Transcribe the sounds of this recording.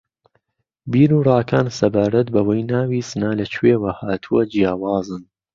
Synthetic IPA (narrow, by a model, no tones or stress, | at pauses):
biːɾuːrˤɑːkʰaːnsɐbaːɾɐt̪̚bɐwɐjnaːwiːsɨnaːlɐt͡ʃʰweːwɐhaːt̪ʰuwɐd͡ʒijaːwaːzɨn